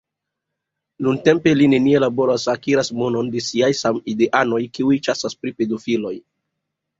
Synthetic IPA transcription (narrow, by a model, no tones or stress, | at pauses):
nunte̞mpe̞line̞nie̞labo̞ɾasakiɾasmo̞no̞nde̞siajsamide̞ʔano̞jkiujt͡ʃasaspɾipe̞dofilo̞j